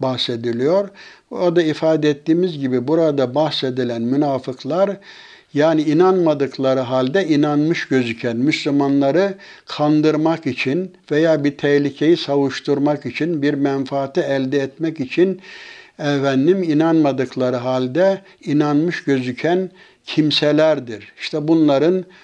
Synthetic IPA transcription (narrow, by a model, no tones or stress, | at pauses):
bahse̞d̪ilʲijo̞ɾad̪aifaːd̪ɛɛt̪ːiːmizɟibibuɾad̪abahse̞d̪ilʲænmynaːfɯkʰlˠaɾ | jaːniinanmad̪ɯkʰlˠaɾɯɦalʲd̪ɛinanmɯʃɟø̞zycʰænmyslʲymanlˠaɾɯ | kʰand̪ɯɾmakit͡ʃʰin | vejaːbiɾt̪ʰɛhlʲicʰejisavɯʃt̪uɾmakit͡ʃʰinbiɾmɛnfaːt̪ʰiɛlʲd̪ɛːt̪mɛcit͡ʃʰinɛvænːiminanmad̪ɯkʰlˠaɾɯɦalʲd̪ɛ | inanmɯʃɟø̞zycʰæn | cʰimsɛlʲæɾd̪iɾiʃt̪ʰɛbunlˠaɾɯn